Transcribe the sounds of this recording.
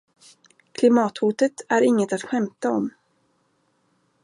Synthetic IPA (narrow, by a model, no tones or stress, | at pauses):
kʰlɪmɑːt̪huːt̪ət̪æɾɪŋːət̪at̪ɧɛmt̪aɔm